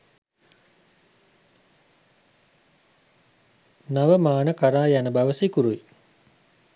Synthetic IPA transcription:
naʋəmaːnəkaɾaːjanəbaʋəsikuɾui

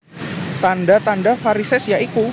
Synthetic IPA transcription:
t̪andat̪andafaɾisɛsjaʔiku

